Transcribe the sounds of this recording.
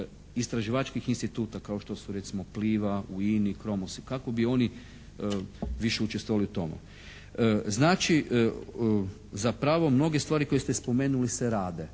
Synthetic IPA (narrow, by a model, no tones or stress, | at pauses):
ist̪ɾaʒiʋat͡ʃkixinst̪it̪uːt̪akaoʃt̪o̞suɾet̪simo̞pliːʋauinikɾo̞mosikako̞bio̞ni | ʋiʃeut͡ʃest̪ʋoʋaliut̪o̞mḛ | znaːt͡ʃi | zapɾaʋo̞mno̞ɡest̪ʋaːɾiko̞jest̪espome̞ːnuliseɾaːd̪e